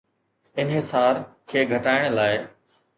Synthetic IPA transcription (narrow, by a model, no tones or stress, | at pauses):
ɪnɦɪsaːɾkʰeːɡʱɐʈaːɪɽ̃laːɪ